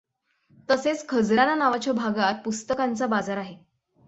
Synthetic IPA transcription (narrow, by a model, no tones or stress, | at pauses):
t̪əset͡skʰəd͡zɾananaʋat͡ɕjabʱaɡat̪̚pust̪əkant͡sabad͡zaɾaɦe